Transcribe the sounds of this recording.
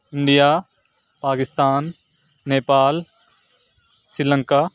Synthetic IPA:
ɪ̃ɳɖijaː | paːkɪst̪aːnː | eːpaːl | sɾɪlə̃ŋkaː

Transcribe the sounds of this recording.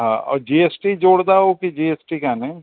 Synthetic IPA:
ɦã̰ːɔ̰ːɾd͡ʒiːesʈid͡ʒoːɽd̪aɦokid͡ʒiːeːsʈikaːnẽ

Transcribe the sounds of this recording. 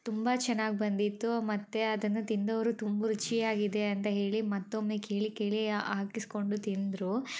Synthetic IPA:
t̪umbɐt͡ʃɛnːaːɡibɐnd̪it̪ːumɐt̪ːe̞ɐd̪ɐnːɐt̪ind̪ɐʋɐɾut̪umbɐɾut͡ʃijaːɡid̪e̞ɐnt̪ɐɦe̞ːɭimɐt̪ːomːeːke̞ːɭike̞ːɭiaːkisko̞ɳɖut̪ind̪ɾu

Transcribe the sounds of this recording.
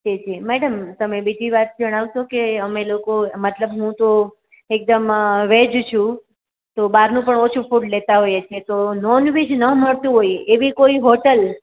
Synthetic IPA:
d͡ʒed͡ʒimɛɽəmt̪əmebid̪ʱiʋat̪̚d͡ʒəɽ̃aʋʃokeəmelokomət̪ləbɦũt̪o | ek̚d̪əmʋed͡ʒt͡ʃʰũ | t̪obaɾnũpəɳot͡ʃʰufuʈlet̪aɦojet͡ʃʰet̪ononʋid͡ʒnəməɽt̪ũɦojeʋikoiɦoʈəl

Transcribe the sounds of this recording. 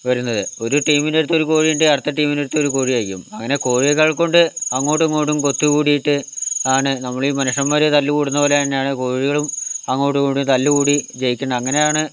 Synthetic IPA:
ʋɐɾunːɐðɨo̞ɾuʈiːmineɽt̪ːo̞ɾuko̞ːɻijuɳɖeɐɽt̪ːɐʈːiːmineɽut̪ːo̞ɾuko̞ːɻijaːjikʲːṵmɐŋːɐne̞ko̞ːɻiɐkɐɭko̞ɳɖɨɐŋːo̞ːʈːɨŋːo̞ːʈːumko̞t̪ːukuːɽijiʈːɨaːɳɨnɐmːɐɭiːmɐnuʂɐmʋɐɾet̪ɐlːukuːɽunːɐpo̞ːleɐnːejaːɳɨko̞ːɻiɣɐɭumɐŋːo̞ːʈ̬ːukoːʈːumt̪ɐlːukuːɽit͡ɕe̞jikʲːuɳːɐɐŋːɐne̞jaːɳɨ

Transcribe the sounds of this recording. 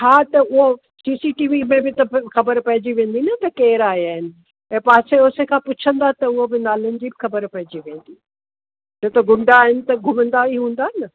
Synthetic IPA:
aːt̪ɐʊɦo | siːsiʈiːʋimẽbɪt̪ɐxɐbəɾpɐɦɪd͡ʑiʋẽːnd̪inɐt̪ɐkeːɾaːɦiaːɦɪnɪ̆ | ɛ̃ːpaːseʊsekʰãːpʊt͡ɕʰə̃nd̪at̪ɐʊɦobɪnaːlənɪ̆d͡ʑibɪxɐbəɾpɐɦɪ̃d͡ʑiʋẽːnd̪i | d͡ʑot̪oɡʱʊ̃ɳɖaːɦɪnɪ̆t̪ɐɡʱʊmə̃nd̪aiɦũːn̆d̪aːɦɪnɐ

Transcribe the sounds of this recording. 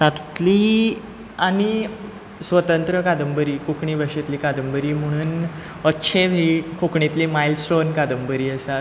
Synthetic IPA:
tat̪t̪li | añi | sʋət̪ənt̪ɾəkad̪əmbəɾiːkukɳiːʋəʂet̪liːkad̪əmbəɾiːm̤əɽ̃uːn | ətːɕʰeʋɦikukɳit̪liːmajlsʈonkad̪əmbəɾiːəsa

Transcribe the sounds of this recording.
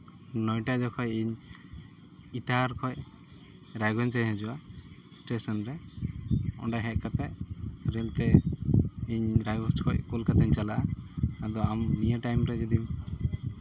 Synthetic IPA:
nɔjʈad͡ʒɔkʰɔjiɲ | iʈaɾkʰɔj | ɾajɡɔɲt͡ʃaɲɦɛ̃d͡ʒuwasʈesɔnɾɛ | ɔ̰ɳɖajɦɛʔ̚kat̪ɛʔɾɛlt̪ɛ | iɲɾajbɔɾt͡ʃkʰɔjkɔlkat̪ɛɲt͡ʃalaad̪ɔammijaʈajmɾɛd͡ʒud̪iw

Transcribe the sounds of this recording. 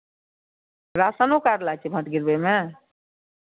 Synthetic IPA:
ɾasənokaɾlat͡ʃʰibʱəʈɡiɾbeme

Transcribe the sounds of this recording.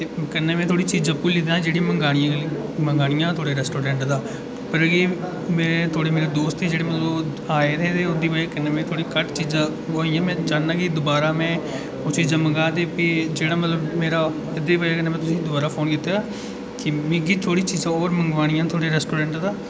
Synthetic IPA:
t̪eːkənːẽːmɛ̃ːt̪ʰoːɽiːt͡ʃiːzəpːuːlːɪd̪ãːd͡ʒeːɽiməŋɡaːɽɪjãməŋɡaːɽɪjãːt̪ʰoːɽeːɾɛːsʈoːɾɛ̃ːɳʈd̪aː | pəɾəɡeː | meːɾeːt̪ʰoːɽeːmeːɾeːd̪oːst̪ed͡ʒeːɽeːmət̪lə | aːeːt̪ʰeːt̪eːʊd̪iːbəaːkənːeːmẽːt̪ʰoːɽiːkəʈt͡ʃiːzã | ʋoːiːãːmɛ̃ːd͡ʒaːnnãːkid̪ʊbaːɾaːmɛ̃ː | ʊsid͡ʒəməɡaːt̪eːpid͡ʒeːɽaːmət̪ləbmeːɾaː | ɪd̪iːbəaːkənẽːmɛ̃ːt̪ʊsĩːd̪ʊbaːɾaːpʰoːnkɪt̪ːeːaː | kɪmẽːɡit̪ʰoːɽiːt͡ʃiːzãːoːɾməŋɡʋaːɽ̃ɪjãːt̪ʰoːɽeːɾɛːsʈoːɾɛ̃ːɳʈd̪aː

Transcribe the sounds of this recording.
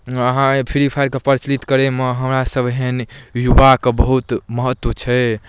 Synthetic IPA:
əɦãpʰiɾipʰajɾkepəɾt͡ʃlit̪kəɾeməɦəmɾasəbʱɦenjubakebəɦut̪məɦət̪ːwət͡ʃʰɛ

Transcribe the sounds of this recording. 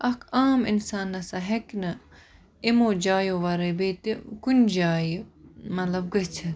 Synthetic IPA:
ʔɐkʰaːmḭnsaːnːɐsɐɦɐknɐ | imoːd͡ʒaːjoʋɐɾɐbeːt̪ikunʲd͡ʒaːjimɐt̪lɐb̚ɡɐt͡ʃʰɐ

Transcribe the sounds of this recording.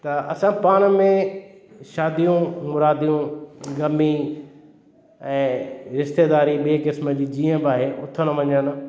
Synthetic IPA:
t̪ɐɐsãpaːɽ̃mẽ | ʃaːd̪ijũmʊɾaːd̪ijũɡɐmi | ɛ̃ːɾɪʃt̪eːd̪aːɾiɓikɪsməd͡ʑiːd͡ʑiːə̃baːɦeːʔʊt̪ʰənɐʋɐɲən

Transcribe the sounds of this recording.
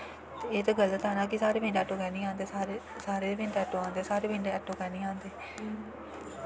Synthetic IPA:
t̪eːeːt̪eːɡəlːt̪ɛːnãːkisaːɾeːbẽːɳɖɛːʈõːkɛːnĩːãːnd̪eːaɾe | saːɾeːbɪ̃ɳɖɛːʈõːãːnd̪eːsaːɾeːbɪ̃ːɳɖeːɛːʈõːkɛːnĩːãːnd̪eː

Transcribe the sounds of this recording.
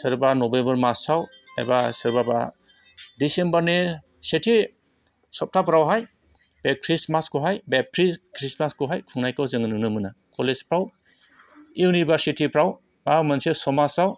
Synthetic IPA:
sɯɾbanɔbembɐɾmasaw | a̰jbasɯɾbaba̰ | disembaɾne | setʰi | sɔp̚tʰapɾawɦaj | b̥ekʰɾismaskɔɦajbep̚tʰɾiskɾismaskɔɦajkʰuŋnajkɯwzɯŋɯnɯnɯmɯnakɔlezpɾaw | iwnibasitʰipʰɾaw | bamansesɔmasaw

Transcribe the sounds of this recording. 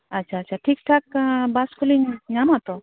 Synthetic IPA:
atːʃʰaːtːt͡ʃʰaʈʰik̚ʈʰak̚baspʰuliŋnamat̪ɔ

